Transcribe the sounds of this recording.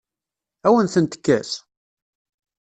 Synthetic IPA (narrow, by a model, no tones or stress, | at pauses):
æwənθənt̪ə̥kːæs